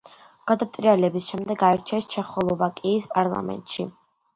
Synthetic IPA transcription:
ɡ̥ad̪at̪ʼɾialɛbisʃɛmd̪ɛɡaɛɾt͡ʃʰɛst͡ʃʰɛχɔlˠɔvakʼiːspʼaɾlˠa̰mɛ̰nt̪ʼʃi

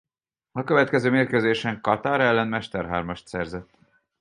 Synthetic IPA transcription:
ɒkø̞vɛt̪kɛzøːmeːrkøzeːʃɛŋkɒt̪aːɾɛlːɛnmɛʃt̪ɛrɦa̰ːrmɒʃt̪sɛrzɛt̪ː

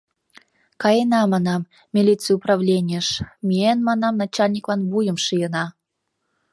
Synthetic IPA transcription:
kɑjenɑmɑnɑmːʲ | ilʲit̪t͡sɨjuprɑvlʲenʲijəʃmʲienmɑnɑmnɑt͡ɕalʲnʲiklɑnbujəmʃɨjənɑ

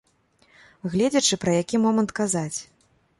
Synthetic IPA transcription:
ɣlʲɛd͡zʲɐt͡ʂɨpɾɐjakʲimɔmɐnt̪kazat͡sʲ

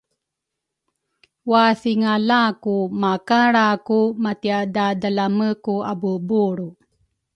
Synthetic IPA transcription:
waθiŋalakumakaɽakumatiadadalaməkuabubuɾu

